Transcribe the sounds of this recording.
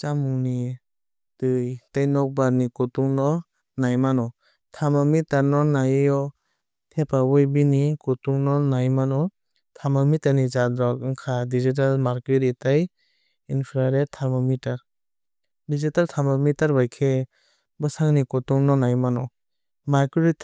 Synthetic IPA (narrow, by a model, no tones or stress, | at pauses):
t͡ʃamuŋni | tɯjtajnɔk̚baɾnikɔtuŋnɔ | najmanɔ | tʰaɾmɔmitaɾnɔnajjɔ | tʰepawɔjbinikɔtuŋnɔnajmanɔ | tʰamɔmitaɾnizadɾɔkɯŋkʰadizit̬almaɾkeɾitaj | inpʰɾaɾetʰːaɾmɔmitaɾ | dizitaltʰamɔmitaɾbajkʰe | bɯsaŋnikɔtuŋnɔnajmanɔ | maɾkiɾit